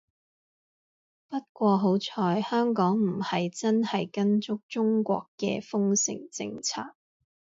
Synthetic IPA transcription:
pɐ˥t̚kʷɔː˧ɦo˨˥wt͡sʰɔː˧jhœː˥ŋkɔː˨˥ŋm̩˨˩hɐ˨jt͡sɐ˥nhɐ˨jkɐ˥nt͡ʃʊ˥k̚t͡sʊ˥ŋkʷɔ̰ː˧kːɛ̰ː˧fʊ˥ŋsɪ̰˨˩ŋt͡sɪ̰˧ŋt͡sʰa̰ː˧˩k̚

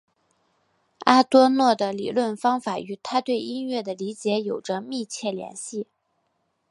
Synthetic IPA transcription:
a˥t̪wɔ˥nwɔ˥˩d̪ə˩lḭ˨˩lwə˥˩nfɑ˥ŋfa˨˩y˧˥t̪ʰa˥t̪we˥˩ɪi˥nɥɛ˥˩d̪ə˩li˧˥t͡ɕjɛ˧˥jo˨˩ʊʈ͡ʂə˦mi˥˧t͡ɕʰjɛ˥˩ljɛ̰˧˥nɕi˥˩

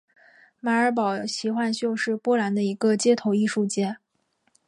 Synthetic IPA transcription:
ma˧˥ə˞˧˥p̬ɑ˨˩ʊɕi˧˥xwa˥˧nɕjo˥˧ʊʂɻ̩˥˩˧pwɔ˥la˧˥nd̪ə˧i˧˥ɡə˧t͡ɕjɛ˥˩t̪ʰo˧˥ʊi˥˧ʂu˥˧t͡ɕjɛ˥˩

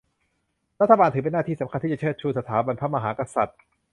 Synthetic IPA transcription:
ɾa˦˥t̪ʰːa˧baː˧nt̪ʰɯ˩˦˥pe˧nːaː˥˩iː˥˩sa˩˦mkʰa˧nt̪ʰiː˥˩t͡ɕa˨˩t͡ɕʰɯ˥˩t͡ɕʰuː˧˩sa˧˩t̪ʰaː˩˦ba˧npʰa˦˥ma˧ɦaː˩˦ka˧sa˨˩t̪̚

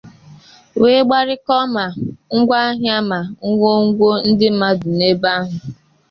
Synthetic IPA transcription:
we˦ɡ͡ba˦ɾɪ˦kɔ˦ma˨ŋ̩˦ɡʷa˦a˦ɦja˦ma˨ŋ̩˦ŋʷo˦ŋ̩˦ɡʷo˦n̩˦dɪ˦m̩˦ma˦du˨ne˦ba˦ɦʊ˨

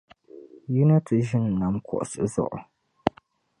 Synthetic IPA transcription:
ji˦na˦tʰɨ˨ʒi˦n˨na˨˦mkʰɔ̰˨ʔsɨ˨˦zɔ̰˦˨ʔɔ̰˨

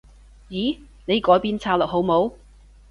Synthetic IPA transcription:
jiː˨˥ | ne˨˧jkɔː˨˧˥jpiː˧nt͡sʰaː˧wlɔ˨˩k̚ɦo˨˧˥wmo˨˧w

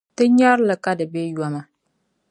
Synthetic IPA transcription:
tɨ˦ɲa˦ɾlɨ˨ka˦dɨ˨be˦jɔ˦ma˨

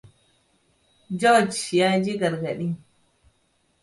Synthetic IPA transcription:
d͡ʒo˦d͡ʒja˦d͡ʒi˦ɡa˨ɾɡa˨ɗi˦

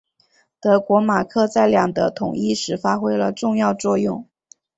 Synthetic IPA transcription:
t̪ɤ˧˥kwɔ˧˥ma˨˩kʰɤ˥˧t͡sa˥˩ɪljɑ˨˩ŋd̪ə˧˦t̪ʰʊ̰˨˩ŋi˥˩ʂɻ̩˧˥fa˥xwe˥ɪlə˧ʈ͡ʂʊ˥˧ŋjɑ˥˧ʊt͡swɔ˥˧jʊ˥˩ŋ

